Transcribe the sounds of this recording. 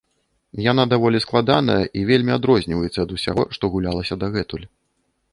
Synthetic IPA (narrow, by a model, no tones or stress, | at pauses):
janad̪avɔlʲisklˠad̪anɐjɐʔivʲelʲmʲiad̪ɾɔzʲnʲivɐjɛt̪sːɐd̪usʲa̰ɣɔʂt̪ɔɣulʲalˠɐsʲɐd̪aɣɛt̪ulʲ